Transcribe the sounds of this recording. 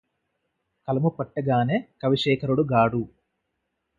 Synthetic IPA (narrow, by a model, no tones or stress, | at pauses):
kɐlɐmupɐʈːɐɡaːneːkɐʋiʂɛːkʰɐɾuɽuɡaːɽu